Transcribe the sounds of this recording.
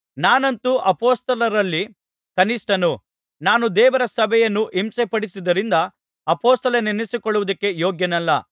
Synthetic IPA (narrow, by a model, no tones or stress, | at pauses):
naːnɐnt̪uʔɐpoːst̪ɐlɐɾɐlːi | kɐnisʈɐnu | naːnud̪ɛːʋɐɾɐsɐbʱɛjɐnːuʔimsepɐɽisid̪ɐɾind̪ɐ | ɐpoːst̪ɐlɐnenisikɔɭːuʋud̪ɐkːe̞joːɡjɐnɐlːɐ